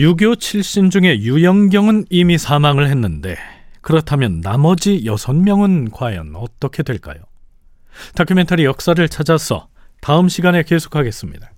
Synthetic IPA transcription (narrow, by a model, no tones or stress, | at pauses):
juɡjot͡ɕʰiɭɕ͈ind͡ʑuŋe̞jujʌŋɡjʌŋɯnimisʰamaŋɯɭhe̞nːɯnde̞̰kɯɾʌtʰamjʌnːamʌd͡ʑijʌsʰʌnmjʌŋɯnkwajʌ̰nʌt͈ʌkʰe̞dwe̞ɭk͈a̰jo | takʰɯme̞ntʰaɾijʌk̚s͈aɾɯɭt͡ɕʰad͡ʑasʰʌ̰ | taɯmɕʰiɡane̞ke̞sʰo̥kʰaɡe̞s͈ɯmɲḭda